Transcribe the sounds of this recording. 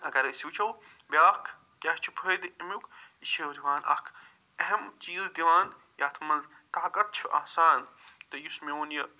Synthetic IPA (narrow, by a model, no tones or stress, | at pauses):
ɐkɐɾɐsiwt͡ʃʰɐw | bʲjaːkʰ | kʲɐht͡ʃʰu̥pʰəːjd̪imʲjukiʃɐwd̪iʋaːnʔɐ̰kʰ | ɐɦɐmt͡ʃiːzd̪iʋaːn | jaːt̪ʰmɐl | t̪aːkɐt̪̚t͡ʃʰuʔa̰ːsaːnt̪ɐjusmʲoːnjɐ